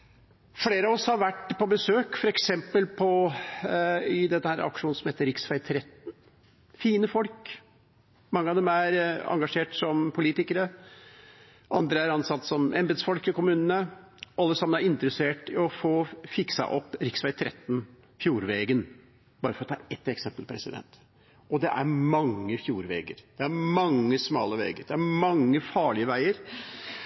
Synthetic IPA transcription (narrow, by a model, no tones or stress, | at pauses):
fleːɾəɑʋɔshɑɾʋæʈːpʰɔbəsøːkfɔɾɛksɛmpəlpʰɔ | ɪd̪ɛt̪ːəhæːɾɑ̰kʂuːnsɔmheːt̪əɾɪksʋæɪt̪ʰɾɛt̪n̩ | fiːnəfɔlk | mɑŋːəɑʋd̪ɛmæɾɑ̰ŋɡɑʂeːʈsɔmpʰʊliːt̪ɪkəɾə | ʔɑnd̪ɾəæɾɑnsɑt̪ːsɔmʔɛmbd̪sfɔlkəkʊmʉːnənə | ʔɑlːəsɑmənæɾɪnt̪ɾəseːʈɪɔfoːfɪksɑ̰ʔɔpːɾɪksʋæɪt̪ʰɾʔɛt̪ːn̩ | fjuːɾʋeːɡən | b̥ɑːɾəfɔɾɔt̪ʰɑːɛt̪ːɛksɛmpəlpʰɾɛsɪ̰d̪ɛ̰nt̪ | ɔd̪ɛʔæɾmɑŋːəfjuːɾʋḛːɡə̰ɾd̪̥ɛæɾmɑŋːəsmɑːləʋḛːɡəɾd̪ɛæɾmɑŋːəfɑːɭɪəʋæɪəɾ